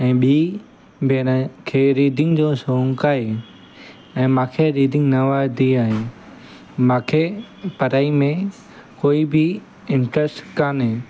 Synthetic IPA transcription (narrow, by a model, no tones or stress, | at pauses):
ɛ̃ːɓiː | beːnkʰeːɾiːd̪ɪ̃ŋɡd͡ʑoːsoːŋkaːɦe | ɛ̃ːmãːkʰeɾiːd̪ʱɪ̃ŋɡnəʋaːd̪iaːɦẽ | mãːkʰepəɾaːimẽ | koːibʱɪ | ɪ̃ɳʈɾɛsʈkaːnɦeː